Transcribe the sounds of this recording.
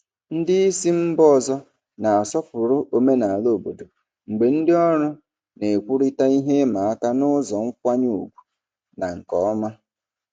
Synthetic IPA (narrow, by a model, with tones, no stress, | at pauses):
n̩˦dɪ˦i˦si˦m̩˦bɔ˦˨zɔ˦ | na˨a˨sɔ˦pʊ˨ɾʊ˦ʔo˨me˦na˨a˨lo˦˨bo̰˨do˨ | ŋ͡m̩˨ɡ͡be˨n̩˦dɪ˦ɔ˦ɾʊ˦ | ne˨kʷu˦ɾɪ˦ta˦i˦ɦe˦ma˨a˦ka˦nʊ˦zɔ˨ŋ̩˦kʷa˦ɲu˦ṵ˨ɡʷu̥˨ | na˨ŋ̩˨kɔ˨˦ma˦